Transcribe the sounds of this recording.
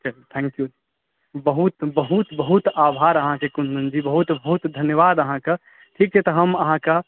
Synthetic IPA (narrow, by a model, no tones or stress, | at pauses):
t͡ʃəlt̪ʰɛ̃ŋkju | bəɦut̪bəɦut̪bəɦut̪abʱaɾəɦãkekund̪und͡ʒibəɦut̪bəɦut̪d̪ʱənjəʋad̪əɦãke | ʈʰik̚t͡ʃʰɛt̪ɔɦəməɦãke